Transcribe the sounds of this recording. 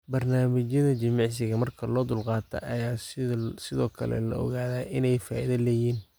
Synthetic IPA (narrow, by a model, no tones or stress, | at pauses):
bɐrnaːmɪt͡ʃjɐðɐt͡ʃɪmɑʕs̬ɪɣɐmɐrkʰɐlɔːd̪ʊlqɑːt̪ʰɐ̰ʔɐjaːsɪðɔːkʰɐ̰lɛ̰lɐ̰ʔɔ̰ɣaːðaːʔɪnɛjfaːʔiðɐlɛːjiːn